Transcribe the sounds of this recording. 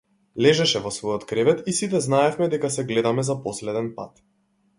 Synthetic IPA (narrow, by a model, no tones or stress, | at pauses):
lɛʒɛʃɛvɔsvɔjɔt̪kɾɛvɛt̪isit̪ɛznaɛfmɛd̪ɛkasɛɡlɛd̪amɛzapɔslɛd̪ɛnpa̰t̪